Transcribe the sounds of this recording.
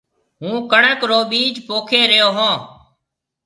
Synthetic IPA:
ɦũːkəɳəkɾoːɓiːd͡ʒpoːkʰeːɾɪjoːɦõː

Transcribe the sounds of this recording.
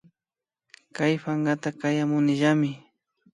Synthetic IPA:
kajpaŋɢat̪akajamʊnɪʒamɪ

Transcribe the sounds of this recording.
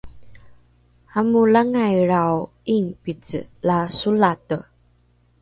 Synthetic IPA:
amulaŋajɾaw | iŋpit͡sə̰lasulatə

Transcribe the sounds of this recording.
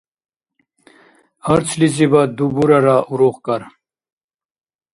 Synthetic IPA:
ɐɾt͡sʰlizibad̪ubuɾaɾaʔuɾuːʁkaɾ

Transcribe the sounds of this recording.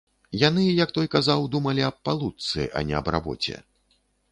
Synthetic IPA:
janɨjɐk̚t̪ɔjkazawd̪umɐlʲiɐpalˠut̪sɨ̰ʔɐ̰nʲɛɐ̰bra̰bɔ̰t͡sʲɛ̰

